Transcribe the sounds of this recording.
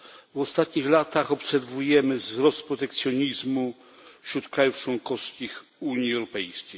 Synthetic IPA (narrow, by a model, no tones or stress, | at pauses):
vɔst̪at̪ɲixlat̪axɔpsɛɾvujɛmɘvzɾɔst̪̚pɾɔt̪ɛk̚t̪sʲjɔɲizmu | fɕɾut̪kɾajuft͡ʂwɔŋkɔskʲixuɲiɛwɾɔpɛjskʲej